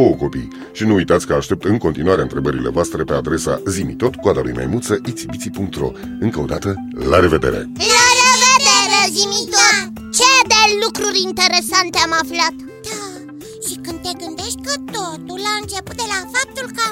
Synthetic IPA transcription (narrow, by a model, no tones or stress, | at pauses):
ooko̞pij | ʃinuujt̪at̪sʲkəaʃt̪e̞p̚t̪ɨŋko̞nt̪inuwaɾeɨnt̪ɾe̞bəɾile̞̰voast̪ɾe̞pe̞ad̪ɾe̞sa̰zimit̪o̞t̪kwad̪alṵjma̰jmult̪səʔit̪sibit̪sipuŋk̚t̪ɾo̞̰ | ɨŋkəod̪at̪ə | laɾe̞ve̞d̪e̞̰ɾe̞̰laɾeved̪eɾezimit̪ot̪ | t͡ʃed̪elukɾuɾʲint̪e̞ɾe̞sant̪eamaflat̪ | d̪̥a | ʃikɨnd̪̚t̪e̞ɡɨnd̪eʃt̪̚ʲkət̪ot̪ulaɨnt͡ʃe̞pu̥t̪̚d̪elafap̚t̪ulkə